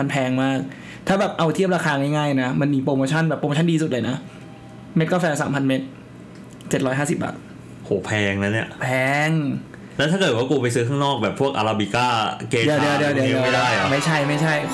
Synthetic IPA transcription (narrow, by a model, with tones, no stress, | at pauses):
ma˧npʰɛː˧ŋmaː˥˩k̚ | t̪ʰaː˥˩bɛː˨˩p̚ʔa˧wt̪ʰi˥˩p̚ɾaː˧kʰaː˧ŋa˥˩jŋaː˥˩jna˦˥ma˧nmiː˧pɾoː˧moː˧t͡ɕʰa˥˩nbɛː˨˩pːɾo˧oː˧t͡ɕʰa˥˩diː˧su˨˩t̪̚lːjna˦˥ | me˦˥t̪̚kɔ˥˩fɛː˧sa̰ː˩˦mpʰa˧nme˦˥t̪̚ | t͡ɕe˨˩t̪̚ɾɔː˦˥jɦaː˥˩si˨˩p̚ʔa̰˨˩ | hoː˨˩˦pʰɛː˧ŋna˦˥ni˥˩ɐpʰɛː˧ŋ | lɛː˧˦˥t̪ʰa˥˩ɤː˨˩t̪̚waː˥˩kuː˧pa˧jsɯː˦˥kʰaː˥˩ŋnɔː˥˩k̚bɛː˨˩pʰːu˥˩ək̚ʔa̰˧ɾa˧bi˧kaː˥˩keː˧ddi˧ədi˧ə˧wdi˧˨˧mdi˧a˥˩daː˥˩jma˥˩jt͡ɕʰa˥˩jma˥˩jt͡ɕʰa˥˩j